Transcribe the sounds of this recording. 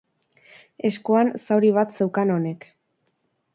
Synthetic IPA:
e̞skuansawɾiβ̞at̪se̞wkano̞ne̞k

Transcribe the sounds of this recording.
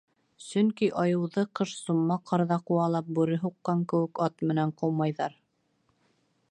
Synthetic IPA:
sɵŋkiʔɑjɤ̆wðɤqɤʃsumːɑqʰɑɾðɑquwɑlˠɑp̚bʉɾɘɦuqːɑŋkɘ̆wɘ̆kɑt̪mɘ̆næɴqowmɑjðɑɾ

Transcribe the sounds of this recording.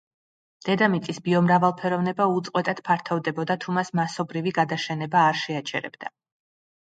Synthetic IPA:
d̪̥ɛd̪amit̪sʼisbiɔmɾavalˠpʰɛɾɔvnɛbaut̪sʼqʼwɛt̪ʼad̪̥pʰaɾt̪ʰɔvd̪ɛbɔd̪at̪ʰumasmasɔbɾiviɡad̪aʃɛnɛbaːɾʃɛat͡ʃʰɛɾɛ̰bd̪a

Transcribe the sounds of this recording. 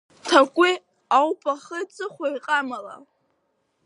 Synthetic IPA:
tʰakʷʼi | awpʼaχət͡sʼɨχʷajqʼamala̰

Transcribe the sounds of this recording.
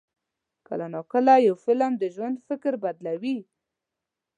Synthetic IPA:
kə̰lanokəlajawfɪlamd̪əʒwand̪fɪkɾbad̪lawi

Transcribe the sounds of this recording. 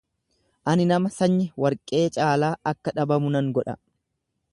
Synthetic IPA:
ʔɐnɪnɐmɐsɐɲːɪwɐɾkʼe̞ːt͡ʃʼaːlaːʔɐkːɐᶑɐbɐmʊnɐŋɡɔᶑɐ̰

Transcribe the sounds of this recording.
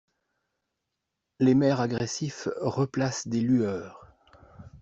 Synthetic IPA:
lemɛʁaɡʁɛsifʁəplasd̪elyœːʁ

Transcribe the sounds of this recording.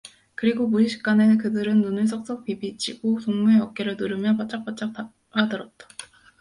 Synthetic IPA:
kɯɾiɡomuɕɕʰi̥k͈anekɯdɯɾɯnːunɯɭs̬ʰok̚s͈ʌk̚p͈ibit͡ɕ͈ʰiɡosoŋmueʌk̚k͈eɾɯɭnɯɾɯmjʌpat͡ɕ͈ak̚p͈at͡ɕ͈ak̚a | adɯɾʌt̚t͈ḁ

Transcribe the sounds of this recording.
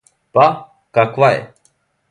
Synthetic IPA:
pa | kakwaḛ

